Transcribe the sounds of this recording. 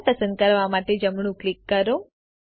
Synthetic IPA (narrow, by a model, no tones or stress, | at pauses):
pəsə̃nd̪̚kəɾʋamaʈed͡ʒəmɳ̃ũklikːəɾo